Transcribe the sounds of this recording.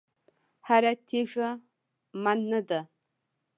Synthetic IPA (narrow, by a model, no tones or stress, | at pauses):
ħaɾɐtʰeːʒɐ | manːɐdɐ